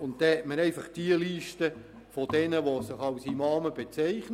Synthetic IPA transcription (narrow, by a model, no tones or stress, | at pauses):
ʊnt̚dɛhɛtməɾɛɪfɑχd̥iəliːʃtə | fod̥ɛnəʋosɪχɑwsimɑːməbet͡sɛɪχn